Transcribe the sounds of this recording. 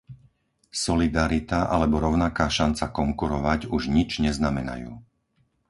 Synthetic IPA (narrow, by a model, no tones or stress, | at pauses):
sɔlid̪aɾit̪aʔalɛbɔɾɔʊnakaːʃant͡sakɔŋkuɾɔʋaɟuʒɲid͡ʒɲɛznamɛna̰jṵː